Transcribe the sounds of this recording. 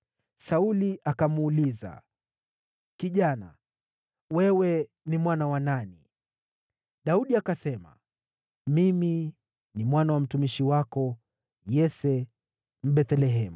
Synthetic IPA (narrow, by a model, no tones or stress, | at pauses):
sauliʔakamːliza̰ | kiʄana̰ | wɛwɛ | nimwanawanani | ɗauɗiakasɛma̰ | mimi | nimwanawam̩tumiʃiwakɔ | jɛsɛ | m̩ɓɛθɛlɛɦɛmu